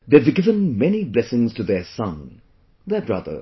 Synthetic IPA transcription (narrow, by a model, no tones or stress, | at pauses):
ðeɪvɡɪvə̃nmɛniblɛsɪ̃ŋz̥tʰɨðə˞sʌ̃n | ðəbɹʌ̰ðə̰˞